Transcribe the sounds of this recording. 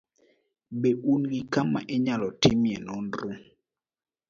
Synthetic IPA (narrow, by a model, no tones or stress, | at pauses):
beunɡikama̰ʔɛɲalɔtimjɛnɔnɾʊ